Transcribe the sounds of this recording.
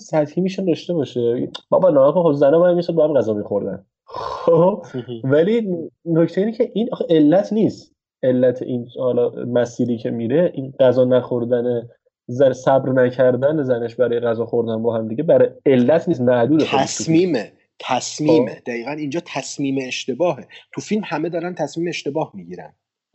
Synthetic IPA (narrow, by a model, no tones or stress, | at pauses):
sæt̪hiːmiʃund̪ɒʃt̪e̞bɒːʃebɒ̰ːbɒnɒmækoxobzænɔmæmisod̪bɒhæmɡæzɒːmixo̞ɾd̪æ̰n | ob̥vælinnocʰt̪ʰeiːnecʰeʔinʔɒxeʔe̞lːæt̪ʰnist̪ | e̞lːæt̪ʰḛʔiːnhɒlɒmæsiːɾiːcʰe̞miɾe̞ʔinɢæzɒːnæxo̞ɾd̪æne | zæsæbɾnæcʰæɾd̪ænezæneʃbæɾɒːje̞ɣæzɒːxo̞ɾd̪ænbɒɦæmd̪iɟebæɾɒje̞lːæt̪ʰniːs̬t̪mæʔd̪uːd̪eæsʰumiːme | t̪ʰæsmiːmed̪̥æɣiːɣænind͡ʒɒːt̪ʰæsmiːmeːʃt̪e̞bɒːɦe̞t̪ʰufilmhæme̞d̪ɒːɾænt̪ʰæsmiːmeeʃt̪e̞bɒːhmiɟiːɾæ̰nd̪̥